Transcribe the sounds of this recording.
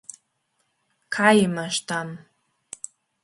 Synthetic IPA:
kʰajimaʃtʰam

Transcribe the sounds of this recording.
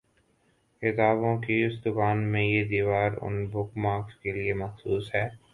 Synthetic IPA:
ɪt̪aːβõkiʊsd̪ʊkaːnmẽjed̪iːʋaːɾʊ̰nbʊkmaːkskeliemɐxsuːsɦɛː

